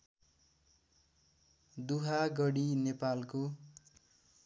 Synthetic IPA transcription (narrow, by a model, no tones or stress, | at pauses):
d̪uɦaɡʌɽinepalko